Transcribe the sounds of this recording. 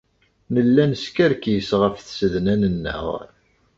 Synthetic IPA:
nəlːænəskæɾkjəsʁəfθsəðnænənːə̰ʁ

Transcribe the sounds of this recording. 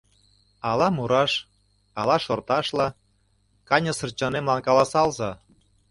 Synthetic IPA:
ɑlɑmuɾɑʃ | ɑlɑʃort̪ɑʃlɑ | kɑnʲəsɤ̆rt͡ɕɑnemlɑnkɑlɑsɑlzɑ

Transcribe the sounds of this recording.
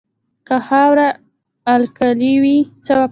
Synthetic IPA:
kahawɾaː | lkaliwit͡sawa

